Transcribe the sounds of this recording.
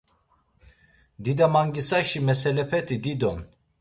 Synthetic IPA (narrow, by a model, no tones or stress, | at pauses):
d̪id̪amaŋɡisaʃimɛsɛlɛpʰɛt̪ʰʼid̪id̪ɔm